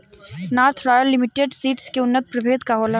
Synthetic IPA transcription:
naːɾt̪ʰɾɔːjəlːɪmɪʈeɖsiːʈskeʊnːət̪̚pɾɐbʱeːd̪kaɦoːlə

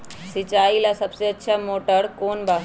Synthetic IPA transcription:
sit͡ʃaːilasəbseətːʃʰamoːʈəɾkoːnbaɦ

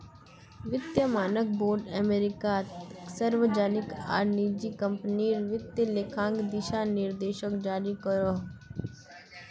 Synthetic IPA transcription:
ʋɪt̪jəmaːnək̚boːɾɖɛmeɾɪkat̪səɾʋəd͡ʒaːnɪka̰ːɾniːd͡ʒiːkəmpniːɾʋɪt̪jəlekʰãːŋɡd̪ɪʃaːnɪɾd̪eːʃəkd͡ʒaːɾikəɾoːɦ

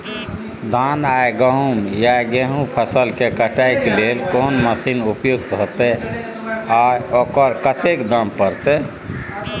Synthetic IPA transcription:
d̪ʱanajɡəɦumjaɡeɦũpʰəsəlkekəʈajkelelkonməsinupjuk̚t̪ɦot̪e | aokəɾkət̪ekd̪əmpəɾt̪e

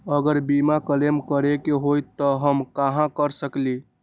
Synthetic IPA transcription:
əɡəɾbimakəlemkəɾekeɦojt̪ːɔɦəmkaɦãkəɾsəkli

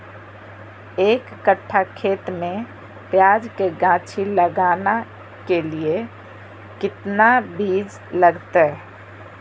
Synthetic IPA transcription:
eːkːəʈʰːakʰeːt̪mẽ | pjaːd͡ʒkeɡãːt͡ʃʰiləɡaːna | kelie | kɪt̪nabʱiːd͡ʒ | ləɡt̪eɦɛ

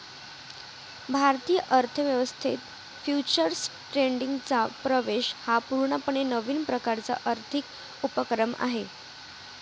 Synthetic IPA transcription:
bʱaɾt̪iːjəʔəɾt̪ʰəʋjəʋəst̪ʰit̪ | fjut͡ɕəɾsʈɾeɳɖiŋɡt͡sapɾəʋeɕhapuɾɳəpəɳ̃enəʋiːnpɾəkaɾt͡sa̰ʔəɾt̪ʰik | upəkɾəma̰ɦe

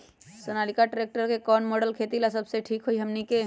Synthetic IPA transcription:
sənaːlikaʈɾek̚ʈəɾkekɔːnmoːɖəlkʰet̪ilasəbseʈʰiːkɦoiɦəmnike

